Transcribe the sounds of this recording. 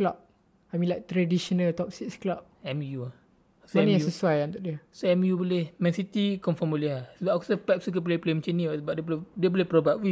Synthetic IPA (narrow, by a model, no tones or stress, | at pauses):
lap̚ | amĩlajk̚t̪ɾadiʃɔnəlt̪ɔp̚siksklap̚ɛmjua | soanĩassəsuajant̪ʊʔdiəsoɛmjubolehmɛ̃nsit̪ikɔnfɔmoliɦasəbapku̥səpɛt̚suk̬əp̬leplemət͡ʃənisəbap̚diəboldiəbolehpɾobaʔ̚wi